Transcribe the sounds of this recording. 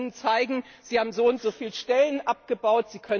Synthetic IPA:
ənt͡saɪɡŋ̩ | z̥iːhaːbm̩zoːʊntz̥oːfiːlʃtɛlənʔap̚ɡ̥əbaʊtz̥iːkʰœ

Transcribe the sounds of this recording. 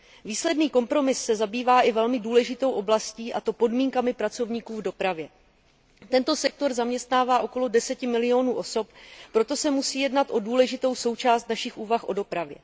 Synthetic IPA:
viːslɛdniːko̞mpɾo̞mɪsːɛzabiːvaːʔɪvɛlmɪduːlɛʒɪt̪o̞wʔo̞blasciːʔat̪o̞po̞dmiːŋkamɪpɾat͡so̞vɲiːkuːvdo̞pɾavjɛ | t̪ɛnt̪o̞sɛk̚t̪o̞ɾzamɲɛst̪naːvaːʔo̞ko̞lo̞dɛsɛcɪmɪlɪo̞nuːʔo̞so̞ppɾo̞t̪o̞sɛmusiːjɛdnat̪ʔo̞duːlɛʒɪt̪o̞wso̞wt͡ʃaːst̪naʃɪxʔuːvaxʔo̞do̞pɾavjɛ̰

